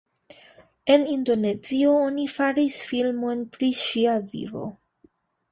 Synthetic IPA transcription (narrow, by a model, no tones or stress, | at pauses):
enindo̞nezio̞onifaɾisfilmo̞npɾiʃiavḭvo̞̰